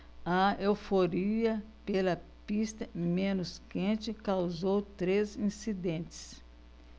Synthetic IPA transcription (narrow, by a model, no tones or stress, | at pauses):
ɐewfoɾiɐ | pelɐpist̪ɐmẽnʊskẽt͡ʃɪkawzowt̪ɾezĩsid̪ẽnt͡ʃɪ̥s